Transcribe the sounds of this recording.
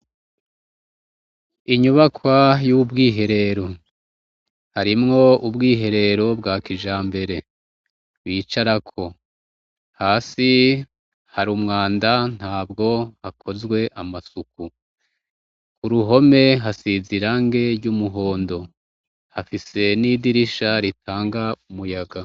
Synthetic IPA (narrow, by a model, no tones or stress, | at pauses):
iɲuβakwajubɡiːɦe̞ɾe̞ɾo̞ | haɾimŋo̞ubɡiːɦe̞ɾe̞ɾo̞bɡaːkiʒaːmbe̞ɾe̞ | wiːt͡ʃaɾakʰo̞ | haːsi | haɾumŋaːndan̥haːbɡo̞hakʰo̞zɡwe̞ʔamasuk̚u | kuɾuɦo̞me̞ɦasiziɾaŋɡe̞ɾɟumuɦo̞ːndo̞ | hafise̞nidiɾiʃaɾitʰaːŋɡaumujaɡa